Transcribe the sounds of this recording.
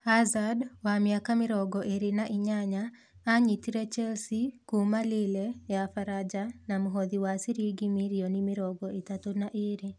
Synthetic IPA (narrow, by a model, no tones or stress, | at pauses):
hazadwamjakamɪɾɔɡɔʔeɾɪnaʔɪɲaɲaː | ɲitiɾet͡ʃɛlsikumalɪlejafaɾad͡ʒanamuɦɔd̪iwasiɾiɡimiɾionimɪɾɔɡɔit̪at̪onaʔeɾi